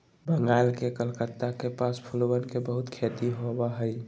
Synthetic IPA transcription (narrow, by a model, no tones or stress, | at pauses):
bəŋɡalkekəlkət̪ːakepaspʰulwənkebəɦʊt̪kʰet̪iɦobaɦəi